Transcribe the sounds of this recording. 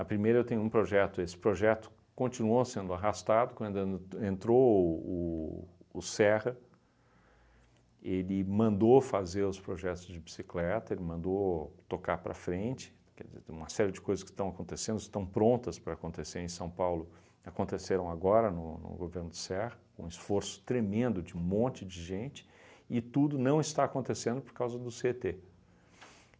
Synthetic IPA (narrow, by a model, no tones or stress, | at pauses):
ɐpɾimejɾɐewt̪ẽɲ̃ʊũpɾoʒɛt̪ʊesɪ̥pɾoʒɛt̪ʊ̥ | kõnt͡ʃinuosẽnd̪ʊaɦast̪ad̪ʊkwɐ̃nd̪ʊẽẽnt̪ɾoʊ | ʊsɛʁɐ | elɪmɐ̃nd̪ofazeɾʊspɾoʒɛt̪ʊzd͡ʒɪbi̥siklɛt̪ɐelɪmɐ̃nd̪ot̪okaɾpɾɐ̰fɾẽnt͡ʃɪ̥ | kɛ̰d͡ʒɪzḛ̃ũmɐsɛɾiɪd͡ʒɪkojzɐskɪ̥st̪ɐ̃w̃akõnt̪esẽnd̪ʊɪst̪ɐ̃w̃pɾõnt̪ɐspɾɐːkõnt̪eseɾẽj̃sɐ̃w̃pawlʊ | akõnt̪eseɾɐ̃w̃aɡɔɾɐnʊnʊ̰ɡoveɾnʊd̪ʊ̥sɛhɐkõisfoɾsʊ̥t̪ɾemẽnd̪ʊd͡ʒɪ̃mõnt͡ʃɪd͡ʒɪʒẽnt͡ʃɪ̥ | ɪt̪ud̪ʊnɐ̃w̃ɪst̪aːkõnt̪esẽnd̪ʊpoɾkawzɐd̪ʊset̪e